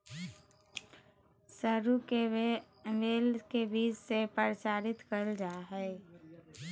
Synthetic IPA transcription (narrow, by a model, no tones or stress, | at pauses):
səɾuke | ʋeːlkebiːd͡ʒsepəɾsaːɾɪt̪kəld͡ʒaːɦɛː